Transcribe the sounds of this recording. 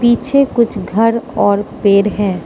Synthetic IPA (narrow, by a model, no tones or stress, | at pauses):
piːt͡ʃʰekʊt͡ʃʰɡʱɐɾɔːɾpeːɾɦɛ̃ː